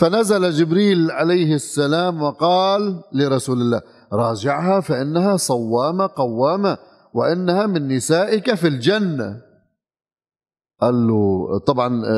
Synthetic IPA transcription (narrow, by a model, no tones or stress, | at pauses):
fanazalad͡ʒɪbɾiːlʕalajhɪsːalaːmwɪqɑːlːɪɾˤɑsuːlɪlːa̰ː | ɾˤɑːd͡ʒɪʕhafaʔɪnːaɦasˤɑwːaːmaqɑwːaːma | wɪʔɪnːahamɪnːɪsaːʔɪkafild͡ʒanːa̰ | ʔalːut̪ˤɑbʕɑn